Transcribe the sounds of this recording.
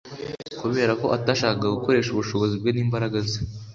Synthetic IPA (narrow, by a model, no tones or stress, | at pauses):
kuβe̞ːɾako̞̰ʔataːʃaːkakaɡuko̞ɾe̞ːʃuβuʃo̞βo̞zibɡe̞niːmbaɾaɡaze